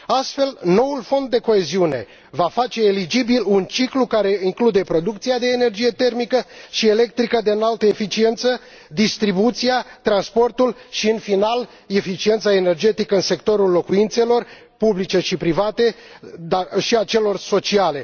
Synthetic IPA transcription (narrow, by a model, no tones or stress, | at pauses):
ast̪fe̞lno̞wulfo̞nd̪̚ːe̞ko̞e̞ziune̞̰ | vafat͡ʃe̞ːlid͡ʒibilunt͡ʃiklukaɾe̞iŋklud̪e̞pɾo̞d̪ukt̪siad̪e̞ːne̞rd͡ʒije̞t̪e̞rmikəʃie̞le̞k̚t̪ɾikəd̪eɨnalt̪əefit͡ʃie̞nt̪sə | d̪ist̪ɾibut̪siat̪ɾanspo̞rt̪ulʃiɨnfinal | e̞fit͡ʃie̞nt̪sae̞ne̞rd͡ʒe̞t̪ikəɨnse̞k̚t̪o̞ɾulːo̞kuint̪se̞lo̞r | publit͡ʃe̞ʃipɾivat̪e̞ | d̪aʃiat͡ʃe̞lo̞rso̞t͡ʃiale̞